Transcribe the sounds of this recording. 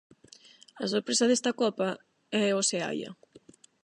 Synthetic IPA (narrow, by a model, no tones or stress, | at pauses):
ɐsoɾpɾesɐðest̪ɐkɔpa | ɛosea̰jɐ̰